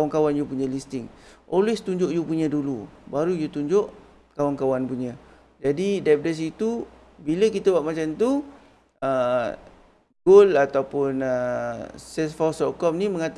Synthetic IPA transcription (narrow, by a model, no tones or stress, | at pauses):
waŋkawanjupuɲə̃list̪ɪŋʔɔlwest̪uɲd͡ʒʊʔjupuɲə̃dulubaɾujut̪uɲd͡ʒʊʔ | kawankawanpuɲə̃ | d͡ʒadidap̚dɛs̬it̪u | biləkit̪əwaʔmat͡ʃamt̪u | ə | ɡolat̪awpʊnə | sɛsfɔst̪ɔʔkɔmniməŋat̪